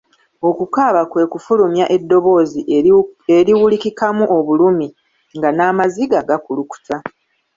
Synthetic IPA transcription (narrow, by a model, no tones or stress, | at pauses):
o̞kukaːβakwe̞ːkufulumjaʔe̞dːo̞βo̞ːzieɾiwulikikamuʔo̞βulumi | ŋɡanaːmaziɡaɡakuluku̥tʰa